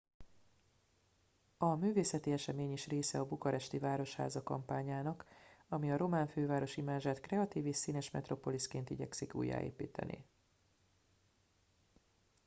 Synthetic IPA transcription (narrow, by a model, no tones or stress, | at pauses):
ɒmyːveːsɛt̪iɛʃɛmeːɲiʃreːsɛɒbukɒɾɛʃt̪ivaːɾo̞ʃha̰ːzɒkɒ̰mpaːɲaːnɒkɒmiɒɾo̞maːɱføːvaːɾo̞ʃimaːʒaːt̪krɛɒt̪iːviʃsiːnɛʃmɛ̰t̪ro̞po̞liskeːnt̪iɟɛ̰ksikṵːjːa̰ːḛːpiːt̪ʰɛ̰nḭ